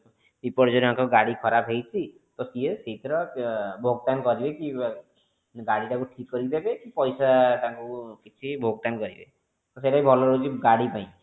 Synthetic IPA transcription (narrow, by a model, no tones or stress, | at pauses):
bipɔɽd͡ʒɔdiɦãkɔɡaɽikʰɔɾapʰɦejt͡ʃʰi | t̪ɔsiesit̪ɾɔbʱoɡʈankɔɾibeki | ɡaɽiʈakuʈʰikːɔɾibʱebekipɔjsaʈakukit͡ʃʰibʱoɡʈ̪ankɔɾibḛ | t̪ɔseʈaibʱɔlɔɾod͡ʒiɡaɽipaĩ